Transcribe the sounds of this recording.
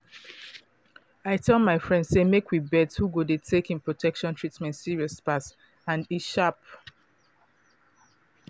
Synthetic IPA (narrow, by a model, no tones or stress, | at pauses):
aɪtʰɛlˠmaɪfɹɛ̃ndsemekwibɛdshuɡodetʰekĩnpɹotʰɛkʃɔ̃ntʰɹitmɛ̃ntsiɹiɔspas | ãniʃap̚